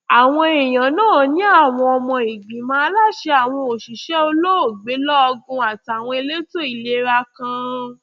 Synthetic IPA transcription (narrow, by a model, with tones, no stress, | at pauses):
a˨w̃ɔ̃˧e˨j̃ã˨nãː˦˨˦nĩ˦a˦˨w̃ɔ̃˧ɔ˧mɔ̃˧i˨ɡ͡bĩ˨mã˦˧la˦ʃe˧a˨w̃ɔ̃˧o˨ʃi˨ʃɛ˦o˧lo˦o˦˨ɡ͡be˨˦lɔ˦ɔ˧ɡũ˧a˨tw̃ɔ̃˧e˧le˦to˦i˦˨le˦ɾa˧kã˧